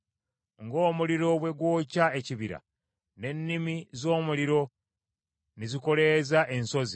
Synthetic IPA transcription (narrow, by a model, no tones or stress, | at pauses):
ŋɡo̞ːmuliɾo̞βwe̞ɡwoːcaeciβiɾa̰ | ne̞nːimizo̞ːmuliɾo̞ | niziko̞leːzaʔe̞nso̞zi